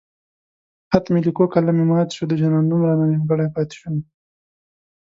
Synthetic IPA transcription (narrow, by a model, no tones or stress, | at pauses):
hat̪milikokalamimɑːt̪ʃud̪əʒanɑnːumɾɑnamiɡaɽajpɑt̪ɪ̥ʃun